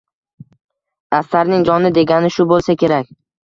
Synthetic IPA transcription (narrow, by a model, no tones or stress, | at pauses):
ast̪aɾnɪŋd͡ʒɒnɪd̪e̞ɡʲanɪʃʊbolˠsakʲʰe̞ɾak̚ʲ